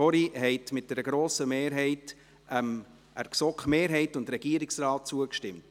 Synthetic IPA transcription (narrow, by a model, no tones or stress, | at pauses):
ɔɾiɦɛɪtmɪt̚d̥ɛɾəɡ̥ɾoːsəmeːɾɦɛɪt | ʔɛm | ʔæɾksɔkχmeːɾɦɛɪtʊntɾɛɡ̥iəɾɪksrɑːt̚t͡suəkʃtɪmt